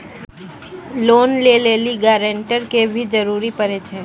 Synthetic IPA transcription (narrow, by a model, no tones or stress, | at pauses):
loːnleːleːliɡaːɾẽɳʈəɾkebʱid͡ʒəɾuːɾipəɾet͡ʃʰeː